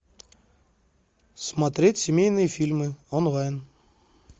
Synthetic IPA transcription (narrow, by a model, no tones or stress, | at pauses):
smɐt̪ɾʲetʲsʲɪmʲejnɨjəfʲilʲmɨɔnlajn